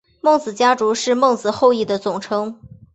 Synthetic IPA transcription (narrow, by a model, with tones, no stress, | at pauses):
mɤ˥˩ŋt͡sɹ̩˨˩t͡ɕja˥ʈ͡ʂu˧˥ʂɻ̩˥˧mɤ˥˩ŋt͡sɹ̩˨˩xo˥˧ʊi˥˩d̪ə˩t͡sʊ˨˩ŋʈ͡ʂʰɤ˥ŋ